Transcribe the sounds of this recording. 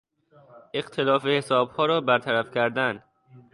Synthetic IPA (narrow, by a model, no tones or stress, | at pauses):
ʔe̞ɢt̪ʰe̞lɒːfe̞hesɒːb̥hɒːɾɒːbæɾt̪ʰæɾæfcʰæɾd̪æn